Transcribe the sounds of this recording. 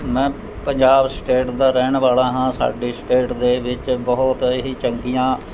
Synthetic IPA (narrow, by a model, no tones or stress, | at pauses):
mɛ̃ː | pəɲd͡ʒaːbsʈeːʈd̪aːɾɛːɳ̃ʋaːlaːɦãːsa̰ːɖiːsʈeːʈd̪eːʋɪt͡ʃbəɦʊt̪ɦiːt͡ʃəŋɡ̪ijãː